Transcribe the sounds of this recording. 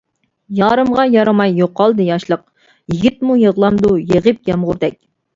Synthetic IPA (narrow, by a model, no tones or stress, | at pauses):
jɑːɾɨmʁɑjɑɾɑmɑjːoqːɑlˠd̪ɨjɑʃlˠəq̚ | jiɡʲit̪mujəʁlˠɑmd̪ujeʁəp̚ɡʲɛmʁʊɾd̪ɛk̚ʲ